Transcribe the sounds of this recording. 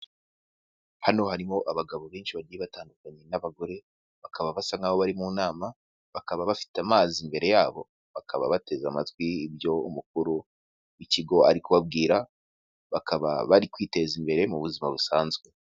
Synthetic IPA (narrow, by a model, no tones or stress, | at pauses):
hano̞haɾimo̞ʔaβaɡaβo̞βeːnʃiβaɟiiβataːndukaɲe̞naβaɡo̞ɾe̞ | βakaβaβasaŋɡaːβo̞βaɾimunaːma | βakaβaβafi̥tamaːzimbe̞ɾe̞jaːβo̞ | βakʰaβa̰βate̞zamatwibjo̞umuk̚uɾu | iciɡo̞aɾikuβab̚ɡiːɾa | βakaβa̰βaɾikwiːte̞zimbe̞ɾe̞muβuzimaβusaːnzɡwe̞